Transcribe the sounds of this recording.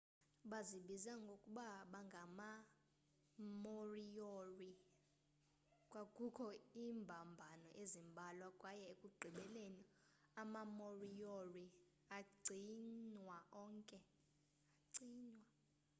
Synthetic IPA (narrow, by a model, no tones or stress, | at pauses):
ɓaziɓizaŋɡʱokʼuɓaɓaŋɡʱama | morijori | kʼwakʼukʰɔiːmbʱambʱanɔʔezimbʱalwakʼwajɛekʼuɡ͡ǀʱiɓɛleni | amamorijori | aɡ͡ǀʱiɲwaʔɔːŋkʼɛ | aǀiːɲwa